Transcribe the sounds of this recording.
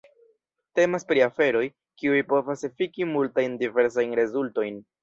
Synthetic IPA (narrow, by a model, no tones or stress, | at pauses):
te̞maspɾiafe̞ɾo̞j | kiujpo̞vasefikimultajndive̞ɾs̬ajnɾe̞zulto̞jn